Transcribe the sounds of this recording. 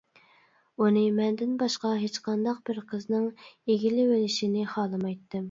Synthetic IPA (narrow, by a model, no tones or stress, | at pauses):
unɨmɛnd̪ɪnbɑʃqɑɦet͡ʃqɑnd̪ɑq̚b̥ɪɾqʰəznɨŋeɡʲilɪwelɪʃinɪχɑːlˠɨmɑjt̪ʰːɨm